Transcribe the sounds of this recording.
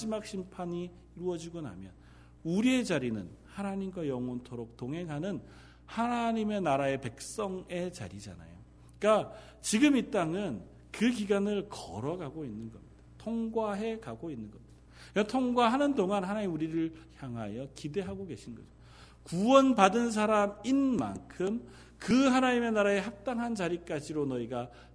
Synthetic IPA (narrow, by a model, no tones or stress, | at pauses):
ad͡ʑimak̚ɕ͈ʰimpʰaɲiː | ɾuʌd͡ʑiɡona̰mjʌn | uɾie̞d͡ʑaɾinɯnhanaɲimɡwajʌŋontʰoɾok̚toŋɦe̞ŋɦanɯn | hanaɲime̞naɾae̞pe̞k̚s͈ʌŋe̞t͡ɕa̰ɾid͡ʑa̰na̰jo | k͈a | t͡ɕiɡɯmit͈aŋɯn | kɯkiɡanɯɭkʌ̰ɾʌɡaɡoinːɯnɡʌ̰mɲid̥atʰoŋɡwaɦe̞kaɡoinːɯnɡʌmɲid̥aʌtʰoŋɡwaɦanɯndoŋanɦanaɲimuɾiɾɯɭçjaŋɦajʌkide̞ɦaɡoɡe̞ɕʰinnɡʌ̰d͡ʑo | kuwʌnpadɯns̬ʰaɾaminma̰nkʰɯm | kɯɦanaɲime̞naɾae̞ɦap̚t͈aŋɦant͡ɕaɾik͈ad͡ʑiɾonʌiɡa